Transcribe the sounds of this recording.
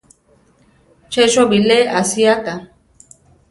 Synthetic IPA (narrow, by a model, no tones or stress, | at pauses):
t͡ʃeʃobileʔasiaka